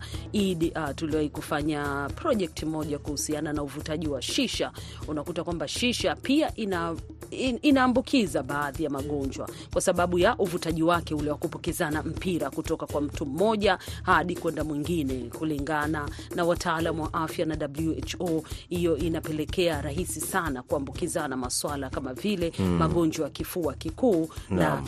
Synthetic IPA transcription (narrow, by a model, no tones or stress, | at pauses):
iɗtuliwaikufaɲapɾɔʄɛk̚tʰimɔʄakuhusiananauvutaʄiwaʃiʃaunakutakwambaʃiʃapiaʔina | inaːmbukʰizaɓaːðijamaɠɔɲd͡ʒwa̰kwasaɓaɓujaʔuvutaʄiwakɛulɛwakupɔkɛzanam̩piɾakutɔkakwam̩tum̩mɔʄahaɗikwɛndamwiŋɡinɛkuliŋɡananawatʰaalamuwaʔafjanaɗabluɛt͡ʃɔhijɔinapɛlɛkɛaɾaɦisisanakuambukizanamaswalakamavilɛmaɠɔɲd͡ʒwajakifuakikuːna